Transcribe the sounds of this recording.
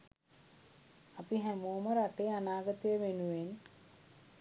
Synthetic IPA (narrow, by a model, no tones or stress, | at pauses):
apiɦæmuːməɾaʈejəanaːɡət̪əjəʋenuʋen